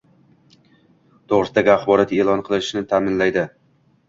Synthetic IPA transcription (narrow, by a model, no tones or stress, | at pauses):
t̪ʰoʁɾɪsd̪aɡʲaχbɒɾat̪e̞lˠɒnqʰɨlˠɪɪʃnɪt̪ʰamɪnlajd̪ɪ